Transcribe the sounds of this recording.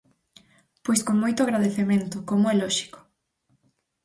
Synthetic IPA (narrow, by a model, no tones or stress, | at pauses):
pojskoŋmojt̪ʊaɣɾaðeθemẽnt̪ʊkomoɛlɔʃi̥ko̥